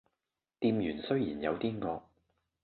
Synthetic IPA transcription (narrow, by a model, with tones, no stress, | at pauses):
t̪iː˧mjyː˨˩nsɵ˥ɥjiː˨˩njɐ˨˧wt̪iː˥ŋɔː˧k̚